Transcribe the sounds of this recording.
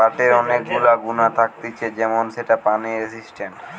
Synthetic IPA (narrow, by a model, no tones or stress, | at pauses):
aʈeɾɔnekɡulaɡunat̪ʰak̚t̪it͡ɕʰed͡ʑɛmonʃeʈapaniɾesisʈeɳʈ